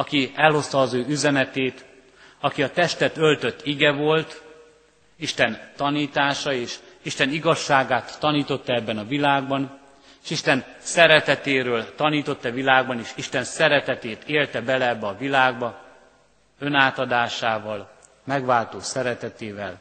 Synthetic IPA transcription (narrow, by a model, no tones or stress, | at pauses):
ɒkiɛlho̞st̪ɒːzøːyzɛnɛt̪eːt̪ | ɒkiɒt̪ɛʃt̪ɛt̪ø̞lt̪ø̞t̪ːiɡɛvo̞lt̪ | iʃt̪ɛnt̪ɒniːt̪aːʃɒeːʃiʃt̪ɛniɡɒʃːaːɡaːt̪ːɒniːt̪o̞t̪ːɒɛbːɛnɒvilaːɡ̚bɒn | eːʃiʃt̪ɛnsɛɾɛt̪ɛt̪eːɾøːlt̪ɒniːt̪o̞t̪ːɛvilaːɡ̚bɒneːʃiʃt̪ɛnsɛɾɛt̪ɛt̪eːt̪eːlt̪ɛbɛlɛɛbːɛɒvilaːɡbɒ | ø̞naːt̪ɒd̪aːʃaːvɒl | mɛɡʋaːlt̪oːsɛɾɛt̪ɛt̪eːvɛl